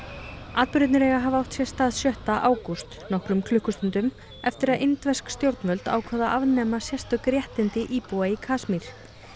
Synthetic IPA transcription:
aːðpʏɾʏt̪nɪɾɛːɣaɦavawht̪sjɛ̥st̪aːðsjœht̪aʔaːwkust̪nɔhkɾʏmkʰlʏhkʏst̪ʏnt̪ʏm | ɛft̪ɪɾaðʔɪnt̪vɛskst̪jowɾt̪nmœlt̪a̰ːwkʰvɛːðaʔavnɛːmasjɛst̪œkɾjɛht̪ɪnt̪ɪʔiːpuwaikʰaːsmiɾ̥

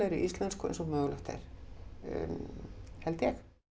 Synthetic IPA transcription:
aɾiʔist̪lanskʊḛjnsɔmœːɣlœht̪ḛɾ̥̰ | hɛlt̪jɛx

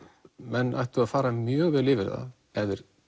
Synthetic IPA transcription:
mɛnːʔajht̪ʏaðfaːɾamjœːɣvɪðlɪːvɪɾða̰ | ɛðɪɾ̥

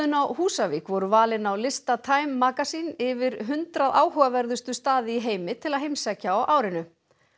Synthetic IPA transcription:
ʏnawhuːsavikvɔɾʏvaːlɪnawlɪst̪at̪ʰaːjmːaːkasinɪvɪɾɦʏnt̪ɾaðʔaːwɦœɣavɛɾðʏst̪ʏst̪aːðɪiɦeːjmɪt̪ʰɪlaðɦejmsɛcːaawʔaːwɾɪnʏ

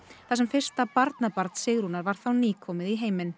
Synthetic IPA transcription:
θasɛmfɪr̥st̪apaɾt̪napaɾt̪sɪɣɾunaɾvaɾ̥θawniːkʰɔːmɪðiɦeːjmɪn

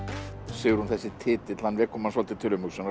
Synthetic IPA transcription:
sɪɣʏɾhunθɛsːɪt̪ʰɪːt̪ɪt̪lanvɛːkʰɔmansɔlt̪ɪt̪ʰɪlʏmʏksɛn

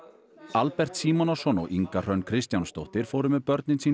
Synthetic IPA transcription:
alpɛr̥t̪siːmɔnɔsɔnɔ̰ɣʔiŋkar̥œnkʰɾɪst̪janst̪owht̪ɪɾ̥foːwɾʏmɛðpœɾt̪nɪnsiː

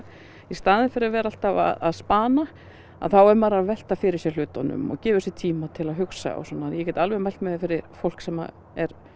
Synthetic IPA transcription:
ist̪aːðɪnfɪɾɪɾavɛːɾaal̥t̪ava̰ða̰ðspaːna | a̰ðθawɛɾmaːɾaðvɛl̥t̪afɪɾɪɾ̥sjɛl̥ʏːt̪a̰nʏ̰mɔ̰ɣcɛːvʏsjɛt̪ʰiːmat̪ʰɪlaðɦʏksa̰a̰wsɔnːajɛcɛt̪alvɛmɛl̥t̪mɛðɪfɪɾɪɾfowl̥ksɛmːa̰ | ɛɾ̥

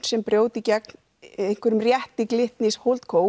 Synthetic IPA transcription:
sɛmpɾjoːwt̪icɛkn | ejnŋ̥kʰvɛɾʏmrjɛht̪ɪklɪht̪nɪshowlt̪kʰoːw

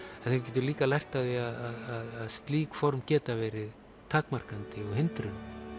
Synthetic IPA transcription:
ɛnθɪvc̬ɛːt̪̬ʏɾliːkalajr̥t̪aðviaðaðaðaðst̪liːkfɔɾmcɛːt̪avɛːɾɪð | t̪ʰaːkmar̥kant̪ɪɔɣɦɪnt̪ɾʏnʏ

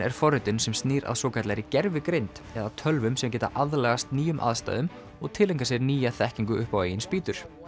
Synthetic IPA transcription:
ɛ̰ɾ̥fɔrːɪt̪ʏnsɛmst̪niːɾa̰ðsɔːkʰat̪lajɾɪcɛɾvɪkɾejnt̪ | ɛðat̪ʰœlvʏmsɛmcɛːt̪a̰ʔaðlɛɣast̪niːjʏmʔa̰ðst̪a̰jðʏm | ɔɣt̪ʰɪlːejŋkasjɛɾniːjaθɛhciŋkʏʏhpaweːjɪnspiːt̪ʏɾ̥

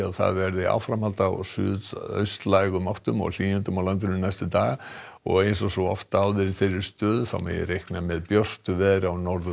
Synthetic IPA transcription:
aðθa̰ðvɛɾðɪa̰wfɾamhalt̪aɔ̰ɣsʏːðœ̰ɥst̪lajɣʏmawht̪ʏmɔ̰ɣl̥iːnʏnt̪ʏmawlant̪̬ɪnʏmnajst̪ʏt̪aːɣ | ɔ̰ɣejnsɔsɔɔft̪awðɪɾɪ̥θeɾɪ̥st̪œːðʏθa̰wmɛ̰jɪ̰ɾejhknamɛðpjœr̥t̪ʏvɛːðɾawnɔɾðʏ

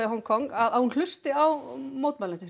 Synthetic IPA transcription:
ɪɦɔŋkʰɔŋkaðahunl̥ʏst̪ɪawmoːwt̪̚malɛnt̪ʏ

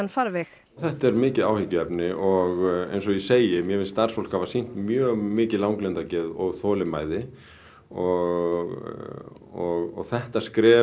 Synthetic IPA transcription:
nfaɾvɪx | θɛht̪ɛɾmɪːcɪðaːwhɪcːʏɛpnɪʔɔɣḛjns̬ɔɣiseːjɪmjɛmɪlst̪ar̥sfowl̥khavasin̥t̪mjœːɣmɪːcɪlawŋklɛnt̪acɛːðɔɣθɔːlɪmaːjðɪ | ɔɣɣ | ɔɣɔ̰ɣθɛht̪askɾɛː

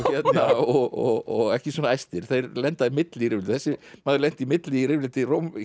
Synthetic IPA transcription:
çɛt̪naɔɣɔ̰ɣɔɣɛhcɪswɔːnaajst̪ɪɾ̥θejɾlɛnt̪aðimɪt̪lɪiɾɪːvlɪt̪θɛsːɪmaːðɪlɛn̥t̪imɪt̪lɪirɪvlɪt̪ɪroːwm

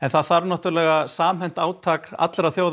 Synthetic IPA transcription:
ɛnθaðθaɾnɔht̪ʏɾlɛɣasaːmhɛnt̪aːwt̪ʰaːka̰t̪lɛɾaθjowð

